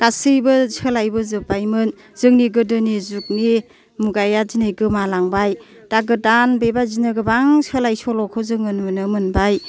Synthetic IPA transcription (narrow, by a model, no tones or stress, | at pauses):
kasɯjbɯsəlajbɯzɯbajmɯn | z̥ɯŋniɡɯdɯnizuk̚ni | muɡajazinajɡɯmalaŋbaj | taɡɯdanbebazinɯɡɯbaŋsəlajsɔlɔkʰɯzɯŋɯnmɯnɯmɯnbaj